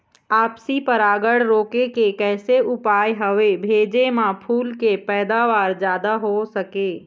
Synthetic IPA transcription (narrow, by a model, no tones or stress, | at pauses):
aːpsipəɾaːɡəɽɾoːkekekɛːseʔʊpaːjɦəʋebʱeːd͡ʒemãpʰuːlkepɛːd̪aːʋaːɾd͡ʒjaːd̪aɦosəkeː